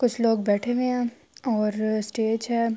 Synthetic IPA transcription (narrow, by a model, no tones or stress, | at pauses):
kʊt͡ʃʰloːɡ̚bɛːʈʰeʋeɦɛ̃ː | ɔːɾsʈeːd͡ʒɦɛː